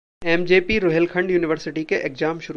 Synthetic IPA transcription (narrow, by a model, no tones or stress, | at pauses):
ɛːmd͡ʒeːpiɾoɦɛlkʰə̃ɳɖjuːnɪʋəɾsɪʈikeʔeːkzaːmʃʊɾ